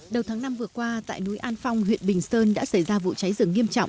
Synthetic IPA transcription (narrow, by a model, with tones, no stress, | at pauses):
ɗə˨˩wt̪ʰaː˨˦ŋna˧mvɨ˨˩əkwaː˧t̪a̰ː˧˨jnu˨˦jʔaː˧nfa˧wŋ͡mɦḭ˧˨ənɓï˨˩ŋ̟səː˧nɗa̰ː˧˥sa˧˩jzaː˧vṵ˧˨t͡ɕa˨˦jzɨ˧˩əŋːi˧əmt͡ɕɔ̰˧˨wŋ͡m